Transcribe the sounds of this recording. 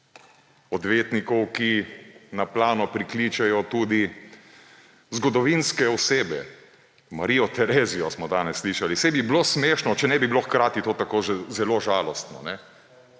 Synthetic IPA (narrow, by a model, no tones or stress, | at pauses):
ɔd̪ʋeːt̪nikɔwkinaplaːnɔpɾikliːt͡ʃɛjɔt̪uːd̪i | zɡɔd̪ɔʋinskɛɔseːbɛ̰ | maɾiːɔt̪ɛɾeːziɔsmɔd̪aːnɛsːliːʃalisɛbibloːsmeːʃnɔt͡ʃɛnɛbibiloxkɾaːt̪it̪oːt̪akoːʒɛzɛloːʒaːlɔst̪nɔ̰nɛ